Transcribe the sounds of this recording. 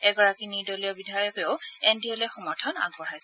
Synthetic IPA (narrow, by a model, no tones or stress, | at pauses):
ɛɡɔɹakiniɹdɔlijɔbidʱajɔpeʊɛndiɔlɛxɔmɔɹtʰɔna̰ɡ̚bɔɹajs